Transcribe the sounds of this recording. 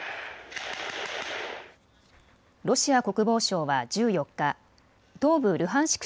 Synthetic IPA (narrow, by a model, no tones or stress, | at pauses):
ɾo̞ɕiako̞kɯ̟bo̞ːɕo̞ːβad͡ʑɨːjo̞kːa | d̪o̞ːbɯ̟ɾɯ̟ɦãɰ̃ɕi̥k